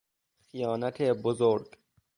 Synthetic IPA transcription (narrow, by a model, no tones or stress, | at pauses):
xijɑːnat̪ʰeːbozoːɾɡ